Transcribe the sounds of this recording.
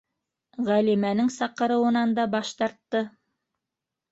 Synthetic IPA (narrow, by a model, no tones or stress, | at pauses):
ʁælimænɘŋsɑqɤ̆ɾɤ̆wɤ̆nɑnd̪ɑbɑʃt̪ɑɾt̪ːɤ